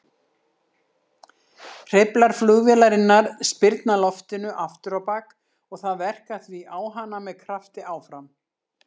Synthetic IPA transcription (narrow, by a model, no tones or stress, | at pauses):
r̥ɪplaɾ̥flʏɣvɛlaɾɪnːaɾ̥spɪɾt̪nalɔft̪ɪnʏʔaft̪ʏɾawpaːk | ɔɣθaðvɛr̥kaθviʔaːwɦanːamɛðkʰɾaft̪ɪaːwfɾam